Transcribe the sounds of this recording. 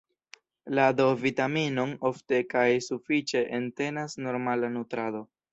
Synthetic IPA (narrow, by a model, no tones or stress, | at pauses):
lado̞vitamino̞no̞fte̞kajsufit͡ʃe̞ʔente̞nasno̞ɾmalanutɾado̞